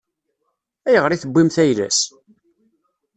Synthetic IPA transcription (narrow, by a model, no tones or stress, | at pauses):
æjəʁɾiθəbːimθæjlæ̰s